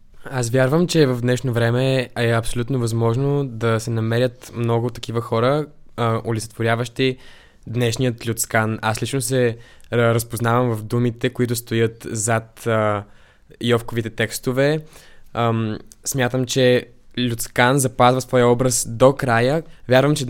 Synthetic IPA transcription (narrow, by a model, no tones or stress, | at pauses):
asvʲjaɾvəmt͡ʃɛvɐvd̪nɛʃnovɾɛmɛɛɐpsolʲut̪novɐzmɔʒnod̪ɐsɛnɐmɛɾʲət̪mnɔɡʊt̪ːɐ̥k̟ivəxɔɾə | olʲit̪sɛ̥t̪voɾjavəʃt̪i | d̪nɛʃnijət̪lʲʊt̪skana̰slit͡ʃnosɛ | ɾəspoznavəmvɐfd̪umit̪ɛkoit̪ʊst̪ojət̪zat̪ | jɔfkovit̪ɛt̪ɛkst̪ovɛ | smʲjat̪əmt͡ʃɛ | lʲut̪skanzɐpazvəsvɔjəɔbɾəsd̪okɾajəvʲjaɾvəmt͡ʃɛ